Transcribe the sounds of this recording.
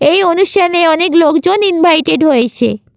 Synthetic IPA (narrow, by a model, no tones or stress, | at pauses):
ejonuʃʈʰaneɔneklokd͡ʑoninbʱajʈeɖɦojet͡ɕʰḛ